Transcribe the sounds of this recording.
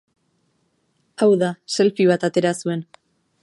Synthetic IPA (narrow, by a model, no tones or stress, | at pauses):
awðase̞lfiβ̞at̪at̪e̞ɾasue̞n